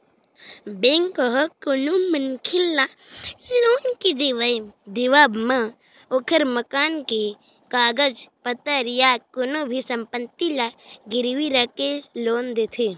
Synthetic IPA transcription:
bẽːŋkəɦɔkonomənkʰɪlːa | loːnkid̪iʋəjd̪iʋaːbma | okʰəɾməkaːnke | kaːɡəd͡ʒpət̪əɾjakonobʱisəmpət̪ːilaɡɪɾʋiɾakeloːnd̪et̪ʰe

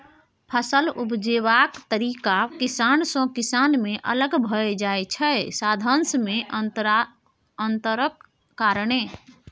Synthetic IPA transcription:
pʰəsəlupd͡ʒeβakt̪əɾikakisansɔ̃kisanmeʔə̰ləɡbʱəed͡ʒaet͡ʃʰɛsad̪ʱənsme | ənt̪əɾəkː | aɾəɽe

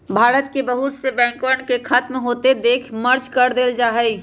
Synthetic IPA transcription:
bʱaːɾət̪̚kebəɦʊt̪sebɛ̃ːŋkʋəɳkekʰaːt̪mɦoːt̪ed̪eːkʰməɾt͡ʃkəɾd̪eːld͡ʒaːɦɛi

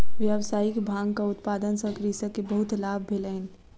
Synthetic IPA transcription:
ʋjəwsaːikbʱãːɡkaʊt̪paːd̪ənsə̃kɾisə̃kebəɦʊt̪laːbʱːelən

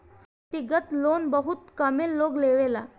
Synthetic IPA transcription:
t̪iɡət̪lonbəɦut̪kəmelːoɡleʋela

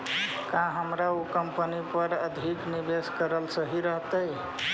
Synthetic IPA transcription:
kãɦəmɾaukəmpənipəɾəd̪ʱiknibeskəɾəlsəɦiɾəɦt̪ə

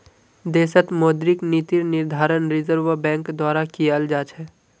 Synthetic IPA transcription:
d̪eːsət̪moːd̪ɾɪknit̪iɾnɪɾd̪ʱaːɾənɾɪzəɾʋəbɛ̃ːŋkd̪waːɾakiəld͡ʒaːt͡ʃɦɛː

